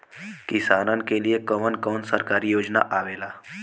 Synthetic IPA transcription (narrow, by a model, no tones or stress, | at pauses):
kɪsaːnənkeliekəmənkɔːnsəɾkaːɾijoːd͡ʒna̰ʔaːʋeːlaː